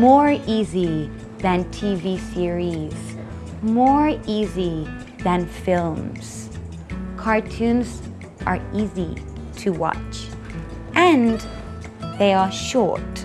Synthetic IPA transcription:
mɔɹizi | ðɨ̃ntʰivisɪɹiz̥ | mɔɹizi | ðɨ̃nfɪlˠmz̥ | kʰɑɹtʰʉ̃nz | ʔə̰˞izitʰɨwɑ̰t͡ʃ | ʔɨ̃n | ðeɪə˞ʃɔ̰ɹt

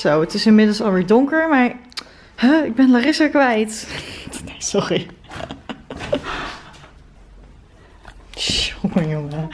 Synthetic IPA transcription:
sowətɪsɪnmɪdəlˠsɑlˠʋɪːɹdʊŋkəɹmaːɹ | həɪɡ̚bɛnlarɪsəɹkʋɛjt | nejsɔri | ʃokəjoŋə

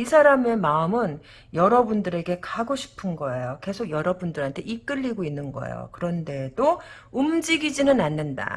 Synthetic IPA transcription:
isʰaɾame̞maɯmɯn | jʌɾʌbundɯɾe̞ɡe̞kaɡoɕʰi̥pʰɯnɡʌe̞joke̞sʰoɡjʌɾʌbundɯɾɦantʰe̞ʔik͈ɯʎːiɡoinːɯnɡʌ̰ḛjo̰kɯɾʌnde̞do | umd͡ʑiɡid͡ʑinɯnanːɯnda̰

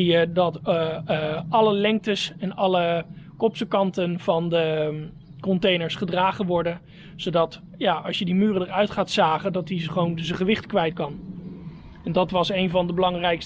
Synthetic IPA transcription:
ijədɑt | ɑləlɛŋk̚təsɛnɑləkɔpsəkɑntənv̥ɑndə | kɔntejnəɹsχədraːχənʋɔɹdən | z̥owdɑt | jaːɑlˠsjədimyːrədəɹœɥtχaːtsaːχədɑtiχəʋownzəχəʋɪχtkʋɛjtkɑn | ɛndɑtʋɑsejnvɑndəbəlɑŋrɛjks

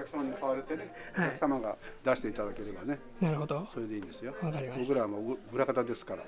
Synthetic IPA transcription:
okʲaksãnːokʰaβaɾet̪e̞ne | oakɯ̥samaɡad̪aɕi̥t̪e̞it̪ad̪ake̞ɾe̞bane̞ | naɾɯhod̪oso̞ɾe̞d̪e̞iːnd̪e̞sɨjoakaɾʲibo̞k̬ɯ̟ɾaβamaɯ̟ɾakat̪ad̪e̞sɨ̥kaɾa̰

